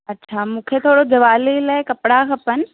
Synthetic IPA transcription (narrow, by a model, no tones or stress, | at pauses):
ɐtːɕʰaːmũːkʰet̪ʰoːɽod͡ʑɐʋaːlilaːɪkɐpɽakʰɐpənɪ̆